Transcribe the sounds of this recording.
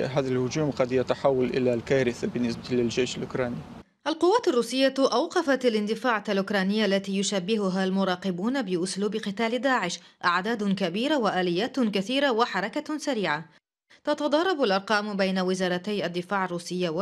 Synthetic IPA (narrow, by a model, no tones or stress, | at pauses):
ɦaːðalhʊd͡ʒuːmqɑd̪jat̪aħawːalʔɪ̰lalkaːɾɪθabɪnːɪsbalɪld͡ʒajʃalʔʊkɾˤɑːni | ʔalqʊwːaːt̪arˤːuːsɪjːaʔawqɑfat̪alɪnd̪ɪfaːʕaalʔʊkɾˤɑːnɪjːaʔlːat̪iːjʊʃabːɪɦʊɦalmʊɾˤɑːqɪbuːnabɪʔʊsluːbɪqɨt̪aːld̪aːʕɪʃʔaʕd̪aːd̪kabiːɾawaʔaːlɪjːaːt̪kaθiːɾawaħɑɾˤɑkasaɾiːʕa | t̪ɑt̪ɑd̪ˤɑrˤɑbalʔɑɾˤqɑːmbajnawɪzɑːɾˤɑt̪ajʔad̪ːɪfaːʕarˤːuːsɪjːawa